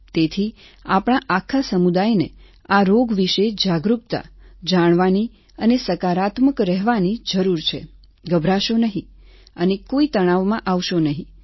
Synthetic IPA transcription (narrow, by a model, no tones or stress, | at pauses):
t̪et̪ʰi | apɽ̃aʔakʰasəmud̪ajnḛ | aɾoɡʋiʃed͡ʒaɡɾup̚t̪a̰d͡ʒaɽ̃ʋani | ənesəkaɾat̪məkɾɛɦʋanid͡ʒəɾuɾt͡ʃʰḛ | ɡəbɾaʃonəɦĩ | ənekoit̪əɽ̃aʋmãʔaʋʃonəɦĩ